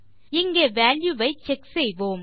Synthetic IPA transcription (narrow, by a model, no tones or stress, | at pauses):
ɪŋɡeːʋæːljuʋɐɪt͡ʃɛksejʋoːm